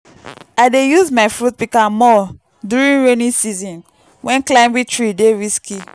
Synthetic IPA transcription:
aɪdejuzmaɪfɹut̚bikãmːɔ | duɹĩnɹonĩsizɔ̃n | wʔɛ̃nklãɪ̃mwitʰɹideɹiskʰi

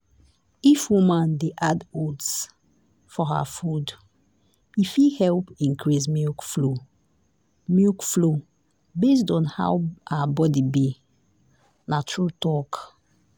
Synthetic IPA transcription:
ifwumãndeʔadods | fɔɦa̰fud | ifihɛlpĩŋkʰɹismikflo | mikflo | bes̬dɔ̃nha̰wʔaabɔdibi | natɹutɔk

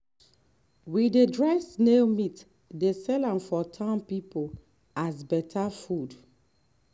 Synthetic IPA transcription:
widedɹɛsnelmit | desɛlãmfɔtʰãnpipol | azbɛtʰafud

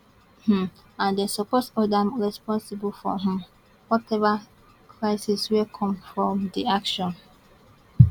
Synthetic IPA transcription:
h̩ | ãndesupɔsɔdãmɹɛspɔ̃nsibulfɔ̰ɦɛ̃m | wɔtʰɛva | kʰɹaɪsiswikʰɔ̃mfɹɔ̃mdiakʃɔ̃n

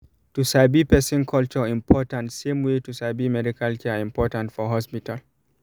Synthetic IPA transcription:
tusabipɛsĩnkʰɔlt͡ʃɔĩmpʰɔtãntsẽmwetusabimɛdikʰalkʰɛĩmpɔtãntfɔɦɔspital

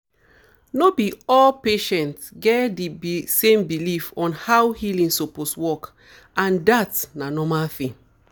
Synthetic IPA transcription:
nobiɔlpeʃɛ̃ntɡɛdibsẽmbilifɔ̃nhawhilĩŋsoposwɔk | ãndatnanɔmalfĩ

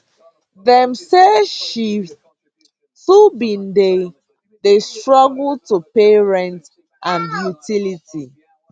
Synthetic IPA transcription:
ðɛ̃msɛʃi | θubĩnde | ðestɹɔɡl̩tupeɹɛ̃nt | ʔãnjutʰiliti

